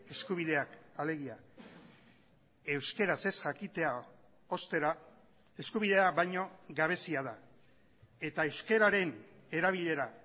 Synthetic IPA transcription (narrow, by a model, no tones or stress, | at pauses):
e̞skuβ̞iðe̞akale̞ɣ̞ia | e̞wske̞ɾase̞sʝakit̪e̞a | o̞st̪e̞ɾa | e̞skuβ̞iðe̞aβajɲo̞ɡaβ̞e̞siaða | e̞t̪aewske̞ɾaɾe̞ne̞ɾaβ̞iʎe̞ɾa